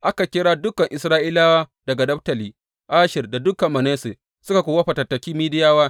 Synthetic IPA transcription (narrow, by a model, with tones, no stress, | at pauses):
ʔa˦ka˨kʲɪ˦ɽaː˦dʊ˦kɐ˨ŋʔɪ˨sɾaː˦ʔiː˦laː˦waː˦dɐ˨ɡa˨dɐ˦ɸtɐ˨liː˨ | ʔaː˦ʃɪ˨rda˨dʊ˦kɐ˨mːɐ˨neː˦se˨ | sʊ˦ka˨kʷoː˨wɐ˦ɸa˨tɐ˨tːɐ˨kʲiː˦miː˦dɪ˦jaː˦waː˦